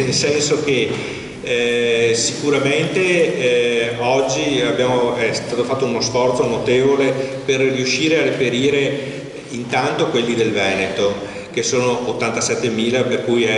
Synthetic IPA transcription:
nelsɛnsoke | si̥kuɾament̪e | ɔd͡ʒːiabjaːmoɛst̪aːt̪ofat̪ːounosfɔrt̪sonot̪evoleperriuʃiːɾearepeɾiːɾe | int̪ant̪okwelːid̪elvɛnet̪o | kesoːnoːt̪ːant̪asɛt̪ːemiːlaperkujɛ

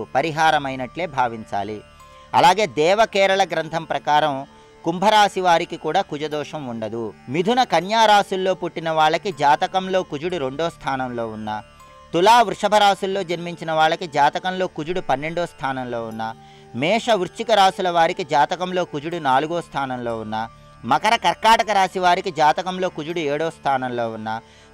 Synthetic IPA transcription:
pɐɾiɦaːɾɐmɐjnɐʈle̞ːbʱaːʋiɲt͡ʃa̰ːli | ɐ̰laːɡe̞ːd̪ɛːʋɐkɛːɾɐɭɐɡɾɐnt̪ʰɐmpɾɐkaːɾɐm | kumbʱɐɾaːsiʋaːɾikikuːɽaːkud͡ʒɐd̪ɔːʂɐmuɳɖɐd̪umid̪ʱunɐkɐnjaːɾaːsulːo̞ːpuʈːinɐʋaːɭːɐkid͡ʒaːt̪ɐkɐmlo̞ːkud͡ʒuɽuɾe̞ɳɖoːst̪ʰaːnɐmlo̞ːunːa | t̪ulaːʋɾʂɐbʱɐɾaːsulːo̞ːd͡ʒɐɾmiɲt͡ʃinɐʋaːɭːɐkid͡ʒaːt̪ɐkɐmlo̞ːkud͡ʒuɽupɐnːe̞ɳɖoːst̪ʰaːnɐmlo̞ːunːa | mɛːʂɐʋuɾt͡ʃikɐɾaːsulɐʋaːɾikid͡ʒaːt̪ɐkɐmlo̞ːkud͡ʒuɽunaːluɡoːst̪ʰaːnɐmlo̞ːunːaː | mɐkɐɾɐkɐɾkaːʈɐkɐɾaːsiʋaːɾikid͡ʒaːt̪ɐkɐmlo̞ːkud͡ʒuɽueːɽoːst̪ʰaːnɐmlo̞ːunːaː

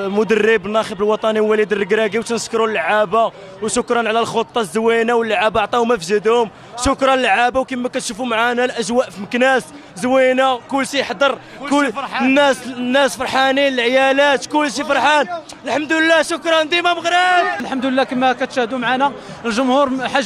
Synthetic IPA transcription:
mʊd̪ərːəbnːɑxəbəlwɑt̪ˤɑniwːælid̪ərːəɡɾæɡiwt̪nəskɾulːʕaba | wʃʊkɾˤɑnʕlælxot̪ˤːɑzːwinawəlːʕabʕt̪ˤɑhʊmæfʒəd̪hʊm | ʃʊkɾˤɑnlːʕabawkimːækæt̪ʃufumʕanælʔæʒwæʔfiməknæs | zwinækʊlːʃiħd̪əɾˤ | kʊnːæsnːæsfɑɾˤħanilʕjælæt̪kʊlːʃ̬ifɑɾˤħɑn | əlħamd̪uləlːæʃʊkɾˤɑnd̪imæməɣɾɑd̪̚lħamd̪ləlːækəmːækæt̪ʃhəd̪umʕanæ | lʒʊmhuɾħa

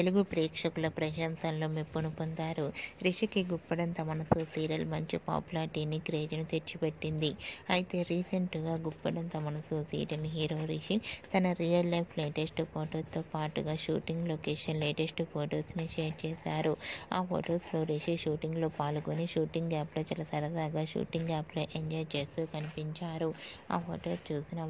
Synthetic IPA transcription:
t̪eluɡupɾɛːkʂɐkulɐpɾɐʃɐnt̪ɐnlo̞ːmipːunupont̪aːɾuɾiʂikiɡupːɐɽɐnt̪ɐmɐnɐsusiːɾɐlmɐɲt͡ʃipa̰ːpulaːɾʈiːnːikɾeːd͡ʒunut̪et͡ʃːipe̞ʈːind̪iɐjit̪e̞ːɾiːsɐɳʈɡaːɡupːɐɽɐnt̪ɐmɐɳɐsusḭːɾɐliɦiːɾo̞ːɾiʂit̪ɐnɐɾijɐllɐjpʰleːʈesʈpʰoːʈoːt̪oːpaːʈuɡaːʃṵːʈiŋɡloːkeːʂɐnleːʈe̞sʈpʰoːʈoːsniʃeːɾt͡ʃɛːsaːɾua̰ːpo̰ːʈoːspʰloːɾeʃiʃuːʈiŋɡlo̞ːpaːlukoniʃuːʈiŋɡɡaːploːt͡ʃɐlɐsɐɾɐsaːɡaːʃṵːʈiŋɡaːploʔeɲd͡ʒaːjt͡ʃe̞ːst̪oːkɐnipiɲt͡ʃaːɾua̰ːpʰo̰ːʈoːst͡ʃuːsinɐ

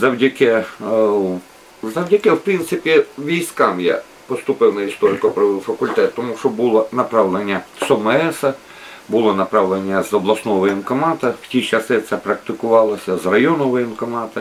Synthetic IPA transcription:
zɐwdʲɐkʲɛ | zɐwdʲɐkɪwpɾint̪sɪpʲiʋʲijsʲkɑmja̰ | pɔst̪ʊpɪwnɐist̪ɔɾɪkɔpɾɔʋɪwfɐkʊlʲt̪ɛt̪ːɔmuʃɔbulˠɔnɐpɾɑwlenʲːɐsɔmɛɛsɐ | bʊlˠɔnɐpɾɑʋlˠenʲːɐzɔblˠɐsnɔɦɔʋɔjɪnkɔmɑt̪ɐw̥tʲit͡ʃɐsɪt̪sɛpɾɐk̚t̪ɪkʊʋɑlˠɐsʲɐzrɐjɔnʊʋɔjɪnkɔmɑt̪ɐ

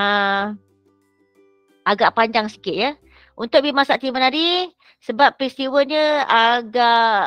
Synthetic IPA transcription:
ə | aɡaʔpaɲd͡ʒaŋsi̥kɪt̪̚jə | unt̪ʊk̚bimasaʔt̪imənaɾi | səbapːɾist̪iwəɲəaɡaʔ

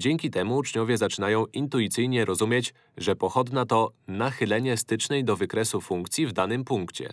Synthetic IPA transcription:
d͡ʑɛŋʲkʲit̪ɛmuːt͡ʂɲɔvʲjɛzat͡ʂɘnajɔ̃w̃int̪ujit̪sɘjɲɛɾɔzumʲjet͡ɕ | ʐɛpɔxɔd̪nat̪ɔnaxɘlɛɲɛst̪ɘt͡ʂnɛjd̪ɔvɘkɾɛsufuŋkt̪sʲjivd̪anɘmpuŋkt͡ɕɛ̰

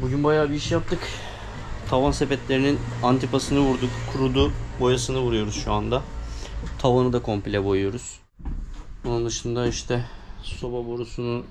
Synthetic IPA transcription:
buɟynbajaːbiiʃjap̚t̪ʰɯk | t̪ʰavansepɛt̪lʲe̞ɾininant̪ʰipasɯnɯvuɾd̪ukkʰːuɾud̪uːbo̞jasɯnɯvuɾujo̞ɾuzʃuand̪a | t̪ʰavanɯd̪akʰo̞mpilʲɛbo̞jujo̞ɾuz̥ | onund̪ɯʃɯnd̪aiʃt̪ʰɛso̞baboɾusunu

